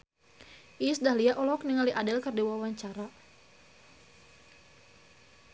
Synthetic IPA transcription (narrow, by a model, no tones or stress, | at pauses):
ʔisdahliaʔɔlɔk̚niŋaliʔadɛlkərdiwawaɲt͡ʃaɾa